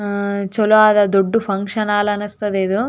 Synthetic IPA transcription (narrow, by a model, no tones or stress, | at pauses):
t͡ʃoluaːd̪ɐd̪oɖːupʰɐŋkʂɐnaːlɐnɐst̪ɐd̪eːd̪u